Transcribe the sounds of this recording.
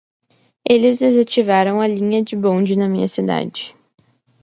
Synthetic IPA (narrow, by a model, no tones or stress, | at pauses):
elɪzd̪ezat͡ʃivaɾɐ̃w̃ɐlĩɲɐd͡ʒɪbõd͡ʒɪnɐmĩɲɐsid̪a̰d͡ʒɪ